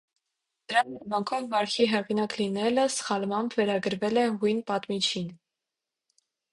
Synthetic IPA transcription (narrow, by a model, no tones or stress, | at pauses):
d̪̥əɾɑmɛmɑŋkʰɔvvɑɾkʰiɦɛʁinɑklinɛləsχɑlmɑmbʰvɛɾɑɡəɾvɛlɛɦujnpɑt̪mit͡ʃʰin